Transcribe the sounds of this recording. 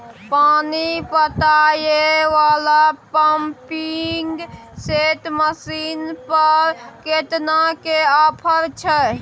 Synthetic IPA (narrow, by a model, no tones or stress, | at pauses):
panipət̪ajeʋalapəmpiŋɡ | set̪məsinpəɾket̪nakeapʰəɾt͡ʃʰə